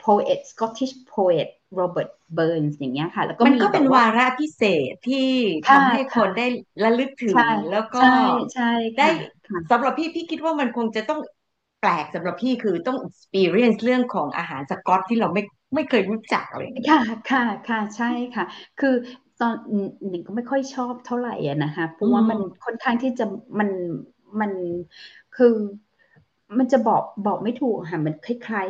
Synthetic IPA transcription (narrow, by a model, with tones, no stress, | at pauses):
pʰoː˧ʔe˨˩t̪̚skɔ˦˥t̪ʰːi˥˩pʰoː˧ʔe˨˩t̪̚ɾoː˧bɤː˨˩t̪̚bɤː˧nsjaː˨˩ŋːi˦˥ɐkʰa˥˩lɛ̰˦˥wkɔ˥ma˧nkɔː˥˩pe˧nwaː˧ɾa˦˥ʔpʰi˦˥seː˨˩t̪ʰːiː˥˩t̪ʰːa˧mha˥˩jkʰo˧ndaː˥˩jɾa˧˥lɯ˦˥k̚t̪ʰɯ˨˩˦lɛː˦˥wkɔːa˥˩˥t͡ɕʰa˥˩j̪aː˧˥˩ | a˥˩sa˩˦mɾa˨˩p̚ʰːiː˥˩pʰiː˥˩kʰi˦˥t̪̚waː˥˩ma˧nkʰo˧ŋt͡ɕa˨˩t̪ɔ˥˩ŋ | plɛː˨˩k̚sa˩˦mɾa˨˩p̚pʰiː˥˩kʰɯː˧t̪ɔ˥˩ŋʔi˨˩k̚spiː˧ɾi˦˥ə˨nsɾɯ˥˩əŋkʰɔː˩˦ŋʔa̰ː˧ɦaː˩˦nsa˧kɔ˦˥t̪ʰːiː˥˩ɾa˧wma˥˩j | ma˥˩jkʰɤː˧jɾu˦˥t͡ɕa̰˨˩k̚lɤ̰ː˧˩kʰa˥˩kʰa˥˩kʰa˥˩t͡ɕʰa˥˩jkʰa˥˩kʰɯː˧t̪ɔː˧nɯː˨˩˨i˨˩ŋkɔː˥˩ma˥˩jkʰɔ˥˩jt͡ɕʰɔː˥˩p̚t̪ʰa˥˩wɾa˨˩jʔa̰˨˩na˦˥kʰa˦˥pʰɾɔ˦˥waː˥˩ma˧nkʰo˥˩nkʰaː˥˩ŋt̪ʰiː˥˩t͡ɕa˨˩ma˧n | ma˧n | kʰɯː˧ | ma˧nt͡ɕa˨˩bɔː˨˩k̚bɔː˨˩k̚ma˥˩jt̪ʰuː˨˩k̚aː˧ɦaː˨˩˦nma˧nkʰa˥˩jkʰlaː˦˥j